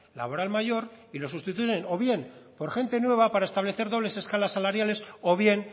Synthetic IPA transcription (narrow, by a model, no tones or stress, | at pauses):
la̰βo̞ɾalmaʝo̞ɾ | ilo̞s̬ust̪it̪uʝeno̞βje̞npo̞ɾxe̞nt̪e̞nwe̞β̞apaɾae̞st̪aβle̞θe̞ɾðole̞se̞skalasːalaɾjale̞so̞β̞je̞n